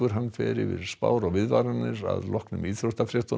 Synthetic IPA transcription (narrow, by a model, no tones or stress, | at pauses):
ʏɾ̥ɦanːfɛːɾɪvɪðspaːwɾɔɣvɪðvaɾanːɪɾaðlɔhknʏmiːɾost̪afɾɛht̪ʊ